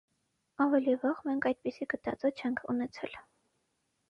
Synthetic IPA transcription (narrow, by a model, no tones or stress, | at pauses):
ɑvɛlivɑʁmɛŋkʰɑjd̪̚pisiɡət̪ɑt͡sɔt͡ʃʰɛŋkʰṵnɛt͡sʰɛl